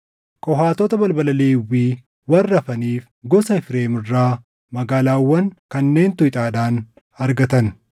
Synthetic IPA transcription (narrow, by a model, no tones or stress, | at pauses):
kʼɔɦaːt̪ɔt̪ɐbɐlbɐlɐleːwːiː | wɐrːɐfɐniːf | ɡɔsɐɪfɾeːmɪrːaː | mɐɡaːlaːwːɐŋkɐnːe̞ːnt̪ʊɪt̪ʼaːd̪aːn | ɐɾɡɐt̪ɐn